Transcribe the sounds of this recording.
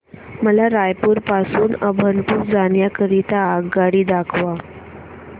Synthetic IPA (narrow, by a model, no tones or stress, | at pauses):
məlaɾajpuːɾpasuːnəbʱənt̪ukd͡zanjakəɾit̪aːɡaɽiːd̪akʰʋa